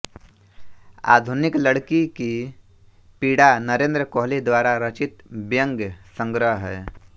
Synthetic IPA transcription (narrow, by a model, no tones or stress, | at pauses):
a̰ːd̪ʱunɪkləɽkiki | piːɽanəɾẽːnd̪ɾəkoːɦlid̪waːɾaɾət͡ʃɪt̪bjə̃ŋɡəsə̃ŋɡɾəɦɦɛ̰ː